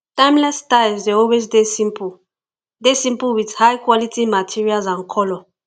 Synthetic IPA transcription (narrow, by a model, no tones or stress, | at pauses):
tãj̃mlɛstajzdeɔlwes̬desĩmp | desĩmpuwidhajkwɔlitʰimatʰiɹialzãnkʰɔlɔ